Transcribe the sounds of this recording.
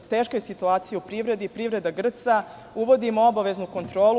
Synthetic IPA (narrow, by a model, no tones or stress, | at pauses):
t̪eːʃkojesit̪uaːt̪sijeupɾiʋɾe̞d̪ipɾivɾe̞d̪aɡr̩t̪sa | uʋo̞d̪imoobaʋe̞znuko̞nt̪ɾo̞ːlu